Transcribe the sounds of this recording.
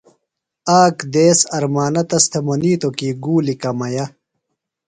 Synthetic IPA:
aːkd̪eːsɐɾmaːnɐt̪ɐst̪ʰemɐniːt̪okiːɡuːlikɐmɐjɐ

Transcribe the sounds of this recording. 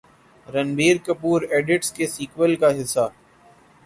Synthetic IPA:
ɾɐnbʱiːɾkɐpuːɾeːɖɪʈskesiːkwəlkaɦɪsːa

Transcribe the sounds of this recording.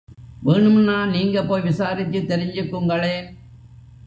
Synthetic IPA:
ʋeːɳɯmnːaːniːŋɡɐpːoːjʋɪsaːɾɪt̪ːɯt̪ːɛɾɪɲd͡ʒɯkːɯŋɡɐɭeːn

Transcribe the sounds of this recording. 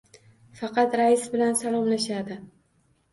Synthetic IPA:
fɑqʰɑt̪ɾaɪsbɪlansalˠɒmlaʃad̪ɪ

